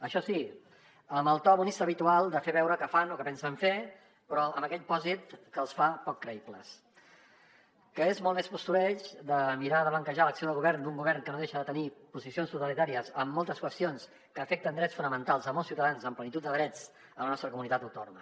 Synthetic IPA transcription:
əʃɔsi | əməlˠt̪ɔβunist̪əːβit̪ualˠd̪əfeβɛwɾəkəfanokəpɛnsəɱfe | pɾɔəməkɛʎpɔzit̪kəlˠsfapɔkːɾəiplə̰s | kəezmɔlˠmespust̪ulɛt͡ʃd̪əmiɾaðəβəŋkəʒaləksioðəlˠɣuβɛrnd̪uŋɡuβɛrŋkənoðeʃəðət̪ənipuzisionst̪ut̪əlit̪aɾiəzəmːɔlˠt̪əskwəst̪ions | kəːfɛk̚t̪ənd̪ɾɛt͡sfunəmənt̪alˠzəmɔlˠsiwt̪əðanzəmplənit̪ut̪d̪əðɾɛd͡z | ələnɔst̪ɾəkumunit̪at̪uwt̪o̰numə

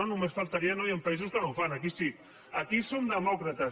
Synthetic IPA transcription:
onũmesfalt̪aɾianojampaiz̬uskənõwfanakisi | akisomd̪əmɔkɾat̪a

